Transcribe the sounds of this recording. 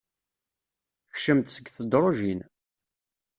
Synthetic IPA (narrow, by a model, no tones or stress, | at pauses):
çʃəmt̪səɡθəd̪ɾˤoʒin